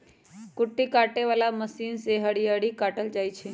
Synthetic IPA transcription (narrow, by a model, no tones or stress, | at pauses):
kʊʈːikaʈeʋalaməsinseɦəɽijaɽikaʈəld͡ʒajt͡ʃʰe